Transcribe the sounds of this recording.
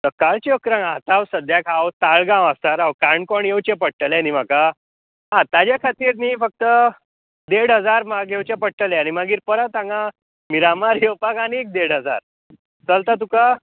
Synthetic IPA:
t̪əkaɭt͡ɕiəkɾãŋat̪awsəd̪jakʰawt̪aɭɡãʋ̃asaɾaʋkaɳkɔɳjewt͡ɕepəɽʈəlɛnim̤aka | ɦãt̪ad͡ʑjakʰat̪iːɾniːfək̚t̪ə | d̪eɽɦəd͡zaɾmaɡewt͡ɕapəɽʈəlɛañimaɡiːɾpəɾət̪ãŋɡa | miɾamaɾjowpakañiek̚d̪eɽɦəd͡za̰ɾ | t͡səlt̪at̪̬uka

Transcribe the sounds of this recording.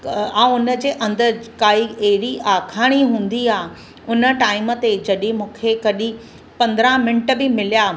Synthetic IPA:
ãːʊnə̆d͡ʑeːʔɐ̃nd̪əkaːieːɾiʔaːkʰaːɽ̃iɦũːn̆d̪iaːɦ | ʊnə̆ʈaːɪmə̆t̪ed͡ʑɐɗĩmũːkʰekɐɗĩ | pɐ̃nd̪ɾãmɪɳʈbɪmɪlijaː

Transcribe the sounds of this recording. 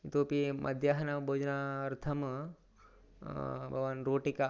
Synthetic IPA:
it̪oːpimʔɐ̰d̪ʱjaɦɐnabʱoːd͡ʒnaɐɾt̪ʰɐm | bʱɐɡʋanɾoːʈika

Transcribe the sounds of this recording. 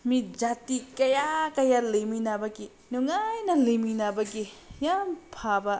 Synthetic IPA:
mit̚d͡ʒatikɐjakɐjalejminabɐɡi | nuŋajnɐliminabɐɡi | jampʰabɐ

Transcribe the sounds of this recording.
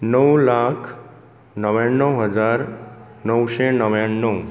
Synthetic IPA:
nəwlakʰ | nəʋjanːəwɦəd͡zaɾ | nəwʃenəʋjanːəw

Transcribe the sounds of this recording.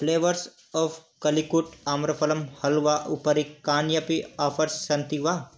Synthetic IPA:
pʰleːʋəɾs | ɔːfkɐlikuʈaːmɾɐpʰɐlɐmhɐlʋaʔupəɾikaːnjɐpiaːpʰɐɾssɐnt̪iʋa

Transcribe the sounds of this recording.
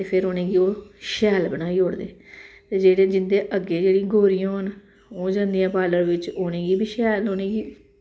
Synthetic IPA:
t̪eːpʰɪɾɦoːneːɡiːoːʃɛːlbəñaːiːɦoːɽd̪eːt̪eːd͡ʒeːɽẽːd͡ʒɪnd̪eːʔəɡːeːd͡ʒeːɽĩːɡoːɾijõːɦən | oːd͡ʒãːnd̪ijãːpaːləɽʋɪt͡ʃoːneːɡiːbʱiːʃɛːloːneːɡiː

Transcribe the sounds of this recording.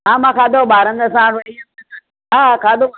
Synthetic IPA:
amakad̪ɔbaɾɐ̃nd̪asãɾij | akad̪ɔ

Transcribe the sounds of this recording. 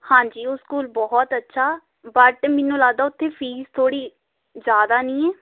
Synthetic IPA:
hãːd͡ʒiːoskuːlbɔːɦt̪ətːʃʰaː | bəʈmɪnːũːlaːd̪aːʊt̪ʰːẽːpʰiːzt̪ʰoːɽiː | d͡ʒjaːd̪aːnĩːɛː

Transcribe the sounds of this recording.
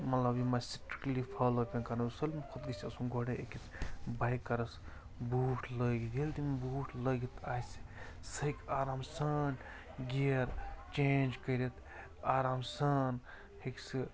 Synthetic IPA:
mɐt̪lɐbjimasiʈɾi̥klipʰalopʲɐ̃nkɐnɐusɐlmkʰud̪ɡisʲiɐsunɡoɽeekit̪bajkːɐɾɐs | buːʈʰləɡid̪eld̪imbuʈʰlɐɡit̪aːisi̥ | sɐkaːɾaːmsɐn | ɡiɐɾt͡ʃẽnd͡ʒkəɾet̪ | aːɾaːmsɐn | heksi

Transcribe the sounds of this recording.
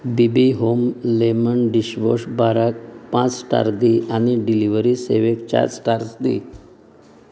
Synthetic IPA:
bibiɦomlemənɖiɕʋoɕbaɾak̚pãt͡ssʈa̰ɾd̪iʔaniɖiliʋəɾisḛʋekt͡ɕa̰ssʈaɾsd̪ḭ

